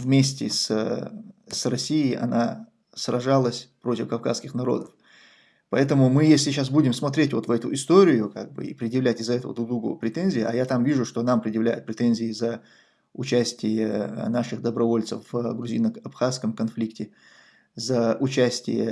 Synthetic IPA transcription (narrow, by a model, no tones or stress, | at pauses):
vmʲesʲtʲɪ̰s | srɐsʲijɪʔɐ̰na | srɐʐalˠəsʲpɾo̞tʲɪfkɐfka̰skʲɪxnɐɾo̞̰d̪əf | pɐɛt̪əmʊmɨjesʲlʲɪɕasbudʲɪmsmɐt̪ɾʲetʲvo̞t̪vɛt̪ʊɪst̪oɾʲɪjʊka̰ɡ̚bɨ̰ḭpɾʲɪd̪ʲjɪvlʲætʲɪzɛt̪əvə̰d̪ʊɡd̪uɡuəpɾʲɪt̪enʲzʲɪjɪɐjat̪amvʲiʐʊʂt̪o̞nampɾʲɪd̪ʲjɪvlʲæ̰jʊ̰t̪̚pɾʲɪt̪enʲzʲɪɪzə | ʊt͡ɕæsʲtʲɪjənaʂɨxd̪əbɾɐvo̞lʲt̪səfvɡɾʊzʲinəɐpxaskəmkɐnflʲiktʲɪ | zəʔʊt͡ɕæsʲtʲɪ̰jə̰